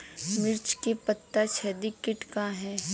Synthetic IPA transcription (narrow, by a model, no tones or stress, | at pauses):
mɪɾt͡ʃkepət̪ːat͡ʃʰɛd̪ikːɪʈkaɦɛ̃ː